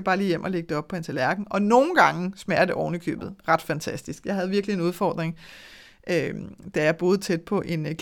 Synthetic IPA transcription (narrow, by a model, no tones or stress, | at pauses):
æb̥ɑ̈ːlḭːjem̰ʔɒ̽le̝ɡ̥̚d̥eɒ̽b̥̚pʰɒ̽ent͡sʰælæɐɡ̥n̩ɒ̽no̝ːn̩ɡ̥ɑ̈ŋəsmæɐ̰d̥əʔɒʊnəkʰø̰ːb̥ð̩ˠʁɑ̈d̥fænt͡sʰæsd̥isɡ̥jɑ̈ɪɦæð̞̩ˠʋiɐɡ̥lie̝nuðˠfɒ̰ːd̥ʁeŋ | ʔød̥æjɑ̈b̥o̝ːð̞̩ˠt͡sʰed̥̚pʰɒ̽ʔe̝nkʰ